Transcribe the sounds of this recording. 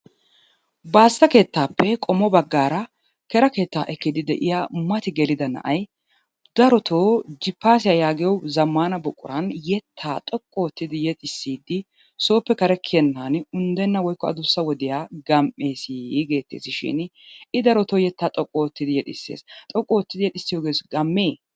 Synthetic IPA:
baːsɐke̞ːt̪ːaːpːɛkʼɔmːɔbɐɡːaːɾɐ | kɛɾɐke̞ːt̪ːa̰ːʔɛkːɪd̪ɪd̪ɛʔɪjaːmɐt̪ɪɡɛlɪd̪ɐnɐ̰ʔɐj | d̪ɐɾɔt̪ʰo̞ːd͡ʒɪpːaːsɪjajaːɡɪjɔwzɐmːaːnɐbɔkʼːʊ̰ɾɐnjɛt̪ʰːaːt̪ʼɔkʼːoːt̪ːɪd̪ɪjɛt̪ʼɪsːiːd̪ːɪ | so̞ːpːɛkɐɾɛkʰɪɛnːaːnʊnd̪ɛnːɐwɔjkːɔɐ̰d̪ʊsːɐwɔd̪ɪjaːɡɐmʔeːsɪɡe̞ːt̪ːḛːsɪʃɪ̰nɪd̪ɐɾɔt̪oːjɛt̪ːaːt̪ʼɔkʼːoːt̪ːɪd̪ɪjɛt̪ʼɪsːḛːst̪ʼɔkʼːoːt̪ːɪd̪ɪjɛt̪ʼɪsːɪjoːɡe̞ːsɡɐmːeː

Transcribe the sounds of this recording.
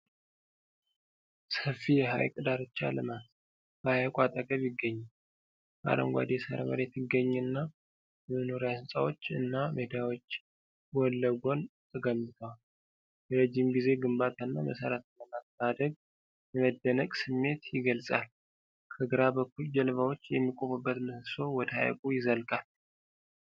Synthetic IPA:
səfijɛɦa̰jkʼɨd̪aɾɨt͡ʃːa̰lɨmat | b̥əhajakʼat̪ʼəɡʼəβjɪɡːəɲːa | ba̰ɾə̰ŋɡʷa̰d̪esə̰ɾə̰mə̰ɾet̪ʰːɨɡːəɲːɨnːa | mɛmɨno̞ɾjasɨnsʼa̰wo̞t͡ʃːɨ̰nːamed̪awo̞t͡ʃː | wɔlːəɡo̞nt̪ʼɨɡəmːɨt̪ʰəwal | jɛɾəd͡ʒːimɡize̞ɡɨmbat̪ʰanːa̰mə̰səɾət̪nːəmat̪ːad̪əɡ̚ | jɛməd̪ːənəkʼsɨmːe̞t̪jɪɡəlsʼal | kʰəɡɨɾabəkːuld͡ʒəlβawo̞t͡ʃːjɛmːikʼoβɨbːət̪mɨsso̞wɔd̪əha̰j̰kʼujɪzəlkʼal

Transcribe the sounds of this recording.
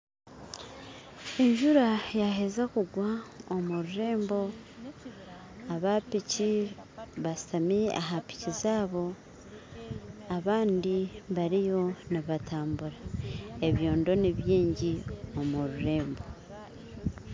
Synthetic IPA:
e̞ɲʒuɾajaɦezakuɡwaomuɾuɾe̞ːmbo̞ | aβapici | βasamia̰ɦapi̥cizaːβo̞ | aβaːndiβaɾijo̞niβatʰaːmbuɾae̞βjo̞ːndo̞niβjiːɲɟio̞muɾuɾe̞ːmbo̞

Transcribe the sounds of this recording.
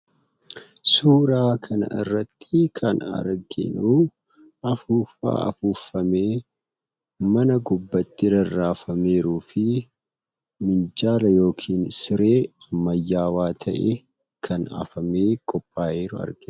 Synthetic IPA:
suːɾaːkʰɐnɐ̰ɪ̰rːɐt̪ːɪkʰɐnɐ̰ɾɡɪ̰nuː | ɐfuːfa̰ːɐ̰fuːfːɐmeː | mɐnɐɡʊbːɐt̪ːɪdɐrːaːfɐme̞ːɾuːfɪ | mɪnd͡ʒaːlɐjo̞ːkʰiːnsɪɾe̞ːɐmːɐjːaːwaːt̪ʰɐʔe | kʰɐnɐ̰fɐmeːkʼɔpʼːaːjeːɾʊɐ̰ɾɡɪ

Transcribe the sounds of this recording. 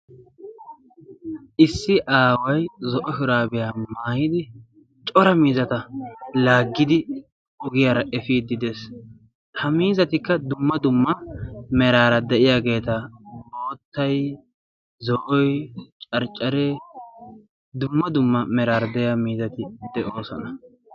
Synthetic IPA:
ʔɪsːɪʔaːwɐjzɔʔɔhɪɾaːbɛjamaːhɪd̪ɪ | t͡ʃʼɔɾɐmiːzɐt̪ɐlaːɡːɪd̪ɪ | ʔʊɡɪjaːɾɐʔɛfiːd̪ːɪd̪es | hɐmiːzɐt̪ɪkːɐd̪ʊmːɐd̪ʊmːɐmɛɾaːɾɐd̪ɛʔɪjaːɡe̞ːt̪ɐboːt̪ːɐj | zɔʔɔjt͡ʃʼɐɾt͡ʃʼːɐɾɛ | d̪ʊmːɐd̪ʊmːɐmɛɾaːɾɐd̪ɛjamiːzɐt̪ɪd̪ɛʔo̞ːsɔ̰nɐ

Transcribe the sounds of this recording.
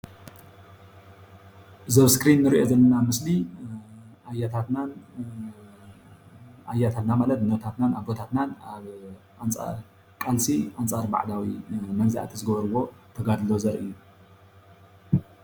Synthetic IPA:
zoβskɾinːɨɾiʔo̞zɐlːɐnamɨsli | ʔajːat̪ʰat̪nan | ajːat̪ʰat̪namalɐt̪̚nɐt̪ʰat̪nanabot̪ʰat̪nanaβ | ant͡sʼa̰ɾ | kʼalsiant͡sʼaɾba̰ʕd̪awimɐɡziʔa̰t̪ʰzɨɡɐβɐɾɨwo̞t̪ʰɐɡad̪lo̞zɐɾʔɨjːu

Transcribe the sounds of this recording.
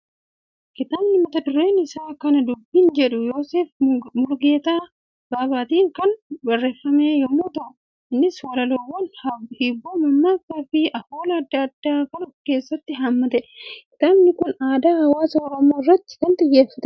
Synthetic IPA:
kɪt̪aːmnɪmɐt̪ɐd̪ʊɾe̞ːnɪsaːkɐnɐd̪ʊbːɪnd͡ʒɛᶑʊjo̞ːseːfmʊɾɡe̞ːt̪aː | b̥aːbaːt̪iːŋkɐnbɐrːe̞ːfːɐmeːjɔmuːt̪ɐʔɐ | ɪnːɪswɐlɐlɔwːɐnhhɪbːoːmɐmːaːkːaːfɪʔɐhoːlɐːd̪ːɐɐd̪ːaːkɐnʊke̞ːsːɐt̪ːɪɦɐmːɐt̪ɛkɪ̥t̪aːmnɪkʊnaːd̪aːhɐwaːsɐɔɾɔmoːɪrːɐt̪ːɪ̥kɐnt̪ɐjːeːfːɐt̪ɛ

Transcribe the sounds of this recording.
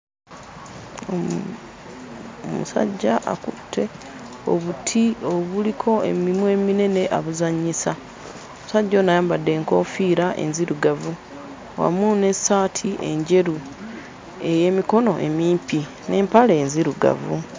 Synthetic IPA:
o | mṵsa̰ɟːaʔa̰kutʰːe̞ | o̰βutʰio̞βulikʰo̞e̞̰mimwe̞mine̞ne̞ʔaβuzaɲːisa | omusaɟːonajaːmbadːe̞ːŋko̞ːfiːɾaʔe̞̰nziɾuɡavu | wa̰mune̞saːtʰiʔe̞ɲɟe̞ɾu | eje̞miko̞no̞ʔe̞miːmpi | ne̞ːmpale̞ːnziɾuɡa̰vu

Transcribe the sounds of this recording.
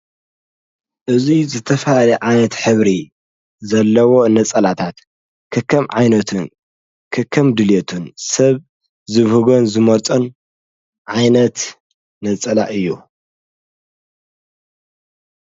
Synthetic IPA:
ʔɨzizɨt̪ʰɐfɐalɐʕajnɐt̪ħɨβɾi | zɐlːɐwo̞nɐt͡sʼɐlat̪ʰat̪ | kʰɨkʰːɐmʕa̰jnɐt̪ʰɨn | kʰɨkʰːɐmd̪ɨlet̪ʰunsɐβ | zɨβhɨɡo̞nzɨmɐɾt̪ʼon | ʕajnɐt̪ | nɐt͡sʼɐla̰ʔɨjːu

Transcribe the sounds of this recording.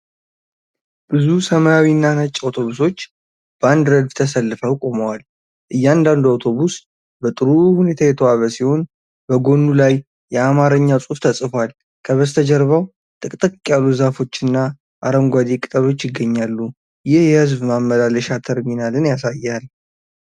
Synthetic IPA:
b̥ɨzusəməjawinːanət͡ʃʼːawt̪ʰoβuso̞t͡ʃː | b̥əand̪ɾəd̪t̪ʰəsəlːɨfəwkʼo̞məwal | ʔɨjːand̪and̪uawt̪ʰo̞βus | bət̪ʼɨɾuhuneɛt̪ʰajɛt̪ʰəwaβəsiho̞n | bəɡo̞nːulaj | jɛamaɾəɲːasʼuft̪ʰəsʼɨfwal | kʰəβəst̪ʰəd͡ʒɛɾβaw | t̪ʼɨkʼt̪ʼɨkʼkʼjaluzafo̞t͡ʃːɨnːa | ʔaɾəŋɡʷad̪ikʼɨt̪ʼəβo̞t͡ʃːjɪɡːəɲːalːu | jɪhjɛhɨzbmamːəlaləʃat̪ʰəɾminalɨnjasajːal

